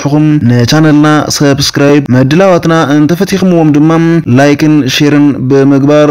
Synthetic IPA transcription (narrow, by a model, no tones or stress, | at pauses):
ħɨkumnɨt͡ʃʰanɐlnasɐbskɾajbmɐd̪ːɨlawat̪nant̪ʰɐfɐt̪ʰːixɨmɨwo̞md̪ɨmːamlajkɨnʃeɾɨnbɨmɨɡbaɾ